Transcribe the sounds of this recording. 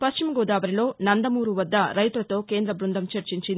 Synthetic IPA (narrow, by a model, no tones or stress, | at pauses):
pɐst͡ʃimɐɡoːd̪aːʋɐɾilo̞ːnɐnd̪ɐmuːɾuʋɐd̪ːɐɾɐjt̪uɾɐt̪o̞ːke̞ːnd̪ɾɐbɾund̪ʱɐmt͡ʃɐɾt͡ʃiɲt͡ʃind̪i